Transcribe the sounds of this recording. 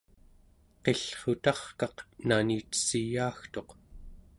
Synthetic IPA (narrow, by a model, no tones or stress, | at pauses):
qe̞ɬχot̪ɑχkɑqnaniːt̪ə̥sijaːxt̪o̞q